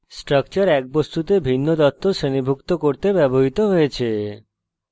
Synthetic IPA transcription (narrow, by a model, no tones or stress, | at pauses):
sʈɾək̚t͡ɕəɾɛk̚bost̪ut̪ebʱinːod̪ɔt̪ːoʃenibʱukt̪okoɾt̪ebɛboɦit̪oɦojet͡ʃʰe